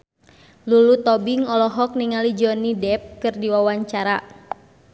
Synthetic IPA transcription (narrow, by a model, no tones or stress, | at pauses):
lulut̪ɔbiŋɔlɔɦɔk̚niŋalid͡ʒɔnidɛp̚kɨrdiwawaɲt͡ʃaɾa